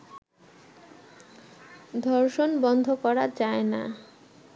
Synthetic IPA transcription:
d̪ʱɔɾʃonbɔnd̪ʱokɔɾad͡ʑaena̰

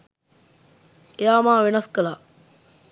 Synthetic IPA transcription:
ejaːmaːʋenɐskəla

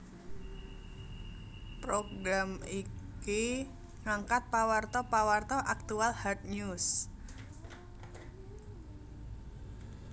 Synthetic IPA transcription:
pɾoɡɾamiki | ŋaŋkat̪̚pawart̪ɔpawart̪ɔʔak̚t̪ualhat̪̚ɲus

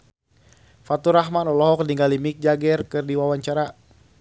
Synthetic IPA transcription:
fat̪uɾahɦmanɔlɔɦɔkniŋɡalimik̚d͡ʒaɡɛrkɨrdiwawaɲt͡ʃaɾa

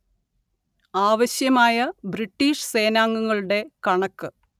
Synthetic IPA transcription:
aːʋɐɕjɐmaːjɐbriʈːiːʂse̞ːnaːŋːuŋːɐɭuɽe̞kɐɳɐkːɨ

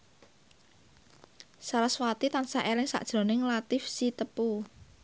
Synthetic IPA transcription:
salaswat̪it̪ansaʔelɪŋsa̰ʔd̥ʒ̥ɾo̤nɪŋlat̪ɪfsit̪əpu

